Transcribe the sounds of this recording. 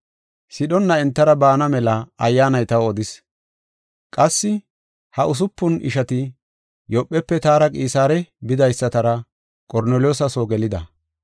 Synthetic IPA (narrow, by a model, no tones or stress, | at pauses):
sɪɗɔnːɐɛnt̪ːɐɾɐbaːnɐmɛlɐɐjːaːnɐjt̪ɐwɔd̪ɪs | kʼɐsːɪ | hɐʔʊs̬ʊpːʊnʔɪ̰ʃɐt̪ɪ | jɔpʼːɛpːɛt̪aːɾɐkʼiːsaːɾɛbɪd̪ɐjsːɐt̪ɐɾɐ | kʼɔɾneːljoːsɐsoːɡɛlɪd̪ɐ